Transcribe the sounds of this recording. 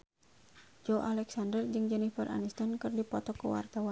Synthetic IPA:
d͡ʒɔʔalɛksandərd͡ʒɨŋd͡ʒɛnifərʔa̰nist̪ɔnkɨrdipɔt̪ɔkəwa̰rt̪awan

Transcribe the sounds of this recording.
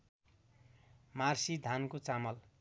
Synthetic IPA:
marsid̪ʱankot͡samʌl

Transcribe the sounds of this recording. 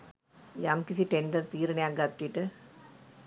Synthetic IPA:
jamkisiʈeɳɖɐɾt̪iːɾɐnejaɡɐt̪ːiʈːɨ

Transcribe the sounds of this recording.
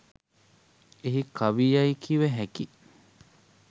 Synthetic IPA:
eɦikʰɐʋiːɐikʰiʋeɦeki

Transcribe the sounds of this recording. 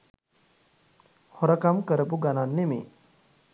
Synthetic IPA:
hoɾəkamkəɾəpuɡananːemḛː

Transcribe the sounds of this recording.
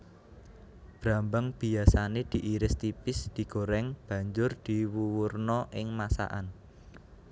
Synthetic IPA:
b̥ɾa̤mbəŋb̥i̤asaned̪̥i̤ʔiɾɪst̪ipɪsd̪̥i̤ɡ̥o̤ɾɛŋb̥ä̤ɲd͡ʒʊrd̪̥i̤wuwurnɔʔɪŋmasa̰ʔa̰n

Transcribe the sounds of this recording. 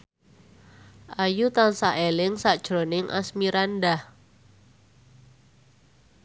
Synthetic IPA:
ʔajut̪ansaʔelɪŋsaʔd̥ʒ̥ɾonɪŋʔa̰smiɾandah

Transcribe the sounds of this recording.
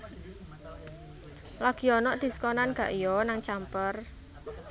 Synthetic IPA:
laɡ̥i̤ɔnɔʔd̪̥i̤sə̥kɔnanɡ̥a̤ʔijɔnaŋt͡ʃampər

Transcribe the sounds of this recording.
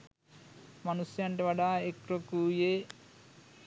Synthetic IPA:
mɐnusjaɳʈeʋɐɽaekɾokuːje

